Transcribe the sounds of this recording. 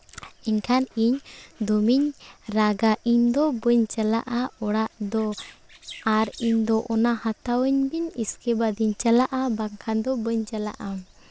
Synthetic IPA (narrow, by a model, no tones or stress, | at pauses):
ɛɲkʰaniɲd̪ɔmiɲɾaɡaʔiɲd̪ɔbəɲt͡ʃəla̰ʔaɔɽaʔd̪ɔ | aɾiɲd̪ɔʔɔnahat̪awəɲbiɲiskɛbad̪iɲt͡ʃəlaʔabaŋkʰand̪ɔbəɲt͡ʃəla̰ʔa